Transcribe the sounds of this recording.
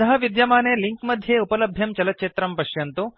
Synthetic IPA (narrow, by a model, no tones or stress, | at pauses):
ɐɦɐ̆ʋid̪jɐmaːneːliŋkmɐd̪ʱjeːupɐlɐbʱjɐmt͡ʃɐlɐt̪̚t͡ʃeːt̪ɾɐmpɐʃjɐnt̪u